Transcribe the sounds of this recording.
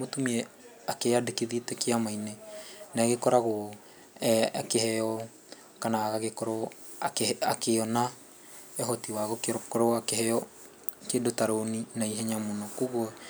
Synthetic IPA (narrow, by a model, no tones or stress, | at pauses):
motumiɛ | akeadekeðietɛkeamainenaɣekɔɾaɣo | kehɛjɔ | kanaɣaɣekɔɾɔ | akakeɔna | ɛɦɔtiwaɣokeɾɔkɔɾɔakeɦɛjɔ | kedotaɾoninaiɦɛɲamonɔkoɣwɔ